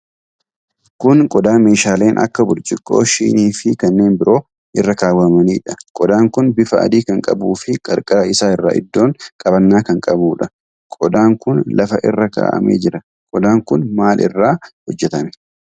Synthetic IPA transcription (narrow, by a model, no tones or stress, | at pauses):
kʊnkʼɔd̪aːme̞ːʃaːle̞ːnʔɐ̰kːɐbʊlt͡ʃʼɪkʼːo̞̰ːʃḭːniːfɪkɐnːe̞ːnbɪɾʔo̞ː | ʔɪrːɐkaːwːɐmɐniːᶑɐ̥kʼɔd̪aːŋkʊnbɪfɐʔɐ̰d̪iːkɐŋkʼɐ̰buːfɪkʼɐɾkʼɐɾɐɪsaːɪrːa̰ːʔɪ̰d̪ːo̞ːŋkʼɐbɐnːaːkɐŋkʼɐbuːᶑɐ | kʼɔd̪aːŋkʊnlɐfɐʔɪrːɐka̰ːʔɐ̰mḛːd͡ʒɪɾɐ | kʼɔd̪aːŋkʊnmaːlʔɪ̰rːaːhɔd͡ʒːɛt̪ɐnɛ